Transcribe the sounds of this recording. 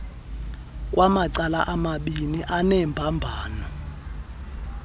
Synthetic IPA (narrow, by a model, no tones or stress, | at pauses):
k̬ʼwʔamaǀalaʔamaɓiniʔanɛmbʱambʱaːnɔ